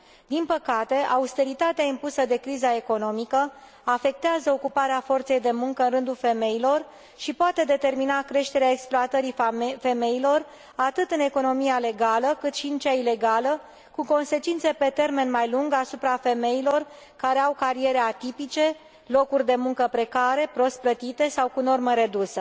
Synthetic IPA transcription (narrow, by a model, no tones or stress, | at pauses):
d̪inpəkat̪e̞ʔaust̪e̞ɾit̪at̪eaimpusəd̪e̞kɾizae̞ko̞no̞mikə | afe̞k̚t̪eazəo̞kupaɾeafo̞rt̪se̞jd̪e̞muŋkəɨnrɨnd̪ulfe̞me̞ilo̞r | ʃipoat̪e̞d̪e̞t̪e̞rminakɾe̞ʃt̪eɾeae̞ksploat̪əɾife̞me̞ilo̞r | at̪ɨt̪ɨne̞ko̞no̞miale̞ɡaləkɨt̪ʃiɨnt͡ʃaile̞ɡalə | kuko̞nse̞t͡ʃint̪se̞pe̞t̪e̞rme̞nmajluŋɡasupɾafe̞me̞ilo̞r | kaɾe̞awkaɾie̞ɾeat̪ipit͡ʃe̞ | lo̞kurʲd̪e̞muŋkəpɾe̞kaɾe̞pɾo̞st̪̚plət̪it̪e̞sawkuno̞rməɾe̞d̪usə